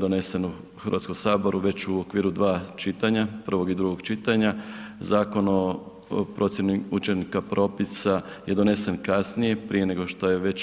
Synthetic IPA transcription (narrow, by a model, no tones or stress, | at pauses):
d̪o̞ne̞se̞nu | xɾr̩ʋat̪ko̞msaːbo̞ɾuʋe̞t͡ɕuokʋiːɾud̪ʋaːt͡ʃit̪aɲapr̩ʋo̞ɡid̪ɾuɡo̞ɡt͡ʃit̪aɲazaːko̞no̞ | pɾʔo̞t̪sjeniut͡ʃe̞nikapɾʔo̞pisaje̞d̪o̞ne̞se̞nkasnije̞pɾije̞ne̞ɡo̞ʃt̪o̞je̞ʋe̞t͡ɕ